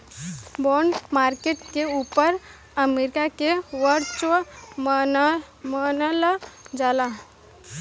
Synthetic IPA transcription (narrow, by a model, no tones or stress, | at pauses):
bɔːɳɖmaːɾkeːʈkeuːpəɾ | əmeːɾɪkakeʋəɾt͡ʃʋəm | mənəlad͡ʒaːla